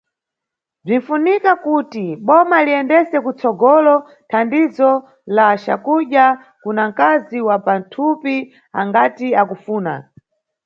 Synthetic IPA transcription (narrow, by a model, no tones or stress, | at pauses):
b͡ʐin̩funikakutiɓɔmaliɛndɛsɛkut͡sɔɡɔlɔ | tʰandizɔ | laʃa̰kuɗja | kunaŋ̩kaziwapan̩tʰupi | a̰ŋɡatiakufuːna̰